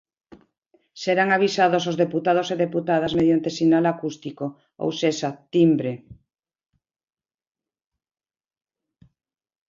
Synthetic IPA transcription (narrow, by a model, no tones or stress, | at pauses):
seɾaŋaβisaðos̬ozðeput̪að̞oseðeput̪aðazmeðjant̪esinalakust̪iko | o̰wsesat̪imbɾe